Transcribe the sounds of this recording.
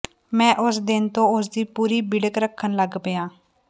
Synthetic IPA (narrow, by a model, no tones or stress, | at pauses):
mɛ̃ːʔʊsd̪ɪnt̪õːʊs̬d̪iːpuːɾiːbɪɽəkɾəkʰːənləɡbəjãː